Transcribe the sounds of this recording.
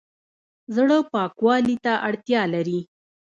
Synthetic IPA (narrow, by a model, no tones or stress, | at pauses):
zɽəpɑkwɑlit̪aʔaɽt̪jɑlaɾi